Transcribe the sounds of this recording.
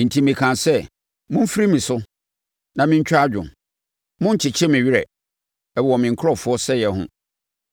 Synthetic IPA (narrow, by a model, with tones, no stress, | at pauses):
n̩˨tʰi˨mĩ˨kʰã˨nsɛ˦˨ | mʊ̃˦m̩˦fi˦ɾi˦mĩ˨sʊ˦ | nã˨mɪ̃˦ɲ̩˦t͡ɕᶣa˦d͡ʑᶣʊ̰̃˨ | mʊ̃˦ɲ˦t͡ɕʰɪ˨t͡ɕʰɛ˦mɪ̃˨ɥɪ˦ɾɛ̰˨ | ɛ˨ɔ˨mɪ̃˨ŋ̩˨kʰɔ˦fʊ˦ɔ˦sɛ˦jɛ˨ɦʊ̰̃˦